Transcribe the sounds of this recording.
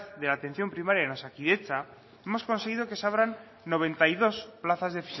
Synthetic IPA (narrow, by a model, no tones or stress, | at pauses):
θðe̞laːt̪e̞nθjo̞mpɾimaɾjaeno̞sakiðe̞t͡ʃa | e̞mo̞sko̞nse̞ɣ̞iðo̞ke̞saβɾanː | o̞β̞ẽ̞nt̪aiðo̞splaθazðe̞fi̥s